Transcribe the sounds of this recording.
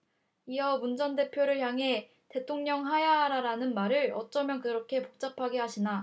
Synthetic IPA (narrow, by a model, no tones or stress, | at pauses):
iʌmund͡ʑʌnde̞pʰjoɾɯɭçjaŋɦe̞ | te̞tʰoŋɲʌŋɦajaɦaɾaɾanɯnmaɾɯɭʌ̰t͡ɕ͈ʌmjʌnkɯɾʌkʰe̞pok̚t͡ɕ͈apʰaɡeɦaɕʰina